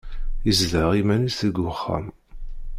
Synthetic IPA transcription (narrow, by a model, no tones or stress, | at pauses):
əzðəʁimænisθəɡʊχːa̰m